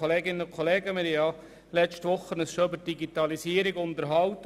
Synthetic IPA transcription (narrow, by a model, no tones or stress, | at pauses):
oleːɡɪnənʊkʰoleːɡəmɪɾijɑ | lɛt͡ʃtʋʊχːənəsʃoʏbəɾd̥iɡit̪ɑlisiːəɾɪɡʊntəɾɦɑwtə